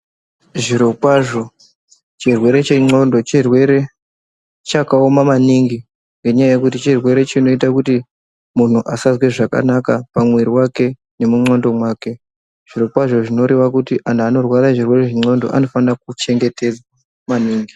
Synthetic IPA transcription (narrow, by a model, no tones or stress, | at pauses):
ʐiɾo̞kwaʐo̞ | t͡ʃirwe̞ɾe̞t͡ʃeŋ͡ǀo̞ndo̞t͡ʃirwe̞ɾe̞ | t͡ʃakaomamaniŋɡi | ŋɡe̞ɲajaje̞kutit͡ʃirwe̞ɾe̞t͡ʃino̞itakuti | mun̤uʔasazwe̞ʐaka̰nakapamweɾiwake̞ | ne̞muŋ͡ǀondo̞mwaːke̞ | ʐ̥iro̞kwaʐo̞ʐino̞ɾeʋakutiʔanaːno̞rwaɾaʐirwe̞reʐiŋ͡ǀo̞ndo̞̰ʔa̰no̞fanrak̚ut͡ʃe̞ŋɡe̞te̞d͡zwa | maniːŋɡi